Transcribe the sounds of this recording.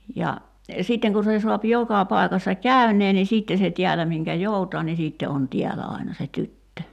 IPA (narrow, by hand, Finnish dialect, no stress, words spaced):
jɑ siˑtːeŋ ku se suɑp jokɑ pɑi̞kɑsːɑ kæynˑeː ni siːtːe se tiælæ miŋkæ joutɑː ni siːtːe on tiælæ ɑˑinɑ se tytːø